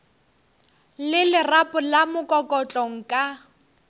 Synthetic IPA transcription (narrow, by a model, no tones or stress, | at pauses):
lɪlɪrapʼʊlamʊkʼɔkʼɔt͡ɬʼɔŋ̩kʼa